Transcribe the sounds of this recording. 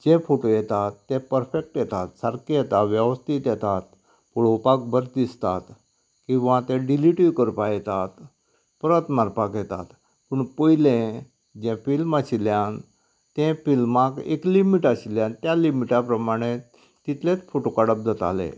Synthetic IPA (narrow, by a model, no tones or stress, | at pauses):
d͡ʑefoʈojɛt̪at̪ːɛ̃pəɾfek̚ʈjɛt̪at̪saɾkijɛt̪aʋjəʋəst̪ʰit̪jɛt̪at̪ | puɭopak̚bəɾt̪d̪ist̪a̰t̪ | kĩw̃ʋãt̪ẽɖiliʈiʋkəɾpajɛt̪at̪ | pəɾət̪maɾpakjɛt̪a̰t̪ | puɳpəilẽ | d͡ʑɛ̃filmaɕiljãn | t̪ẽfilmãkḛklimiʈəɕiljãnt̪jalimiʈapɾəmaɽ̃e | t̪it̪lẽt͡sfoʈokəɽəp̚d͡z̪ət̪a̰lḛ̃